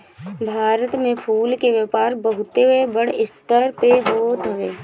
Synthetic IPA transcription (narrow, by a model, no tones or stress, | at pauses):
bʱaːɾət̪mẽpʰuːlkeʋəpaːɾbəɦʊt̪eɦebəɽ̤ɪst̪əɾpeɦoːt̪ʰəʋeː